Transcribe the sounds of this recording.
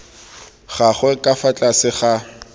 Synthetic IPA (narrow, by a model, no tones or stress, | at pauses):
χaχwɛkʼafat͡ɬʼasɪχa